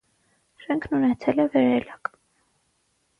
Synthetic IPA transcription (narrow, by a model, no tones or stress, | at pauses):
ʃɛŋkʰnunɛt͡sʰɛlɛvɛɾɛlɑk